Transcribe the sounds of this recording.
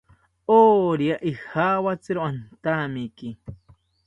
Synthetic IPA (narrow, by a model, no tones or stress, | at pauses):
oːɾiaʔixaːwat͡sɪɾoant̪amiki